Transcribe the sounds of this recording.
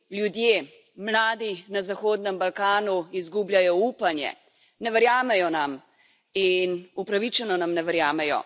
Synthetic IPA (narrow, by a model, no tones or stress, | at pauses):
ljud̪je | mlaːd̪inazaxoːd̪nɛmbalkaːnuizɡubljajɔuːpanjɛ̰ | nɛʋɛɾjaːmɛjɔnam | inupɾaʋit͡ʃɛnɔnamnɛʋɛɾjaːmɛjɔ̰